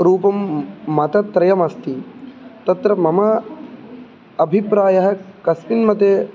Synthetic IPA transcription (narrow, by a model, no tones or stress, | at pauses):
ɾuːpɐmːɐt̪ɐt̪ɾɐjɐmɐst̪it̪ɐt̪ɾɐmɐmɐ | ɐbʱipɾaːjɐɦɐ̆kɐspinmɐt̪eː